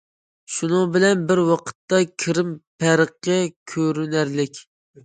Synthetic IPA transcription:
ʃunɨŋbɪlɛnbɪɾwɑqʰə̥t̪ːɑkʲʰɪɾɪmpʰæɾəqːəkʲʰøɾynæɾlɪkʲ

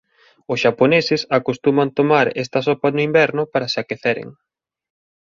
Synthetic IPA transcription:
ʊsʃaponesɪsakost̪umant̪omaɾɛ̰st̪ɐsɔpanʊimbɛɾnʊpaɾasɪakeθɛɾḛŋ

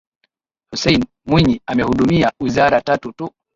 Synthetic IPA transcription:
husɛjn | mwiɲiamɛhuɗumiawizaɾatatutu

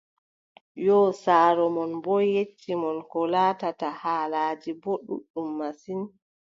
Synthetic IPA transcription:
jɔsaːɾɔmɔnbɔjet͡ʃːimɔnkɔlaːtatahaːlaːd͡ʒiboɗṵɗːumːasin

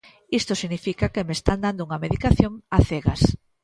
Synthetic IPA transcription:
ist̪osiɣnifikakemest̪and̪and̪ouŋɐmeðikaθjoŋaθeɣas

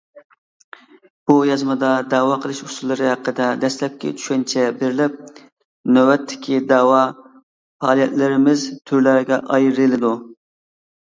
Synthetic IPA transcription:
b̥ujɑzmɨd̪ɑd̪ɑːwɑqʰəlˠɨʃusulˠːɨɾɨɦæqːəd̪ɛd̪ɛslɛp̚kʲɛ̰t͡ʃʰy̥ʃkʲɛnt͡ʃʰɛbeɾɪlɪp̚ | nøwɛt̪ʰːɪ̥kʲʰid̪ɑwɑ | fɑːlˠijɛt̪lɪɾɪmɪzt̪ʰyɾlæɾɡʲɛ̰ʔɑjɾɨlɨd̪u

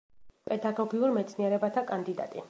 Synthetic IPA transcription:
pʼɛd̪aɡɔɡiuɾmɛt̪sʰniɛɾɛbat̪ʰakʼand̪id̪a̰t̪ʼi

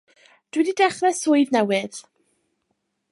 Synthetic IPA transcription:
d̥wɛdidɛχrɛsʊɨvnɛwɨð̥

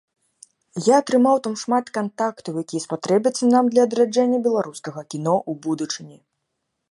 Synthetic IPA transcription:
jaːt̪ɾɨmawt̪amʂmat̪kant̪akt̪ɐwjakʲijɐspat̪ɾɛbʲɐt̪sːɐnamd̪lʲɐːd̪ɾad͡ʐɛnʲːɐbʲɛlˠaɾuskɐɣɐkʲinɔʔubud̪ut͡ʂɨnʲi

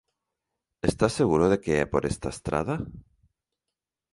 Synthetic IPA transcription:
e̞st̪asːe̞ɣ̞uɾoð̞e̞keḛpoɾest̪aest̪ɾa̰ð̞a

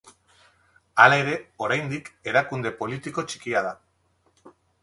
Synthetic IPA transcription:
alae̞ɾe̞o̞ɾajnd̪ike̞ɾakund̪e̞po̞lit̪iko̞t͡ʃi̥kiað̞a

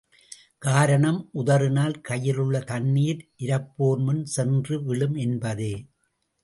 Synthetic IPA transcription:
kaːɾɐɳɐmʔʊðɐrɯnaːlkɐjɪlɯɭːɐt̪ɐnːiːɾʔɪɾɐpːoːɾmɯnsɛndrɯʋɪɭɯmɛnbɐðeː

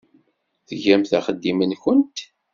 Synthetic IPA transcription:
θəʝæmθæχəd̪ːimənçʊnt̪

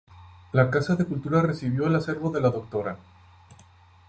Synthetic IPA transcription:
lakasaðe̞kult̪uɾare̞siβjo̞elase̞ɾβo̞ðe̞laðo̞k̚t̪o̞ɾa

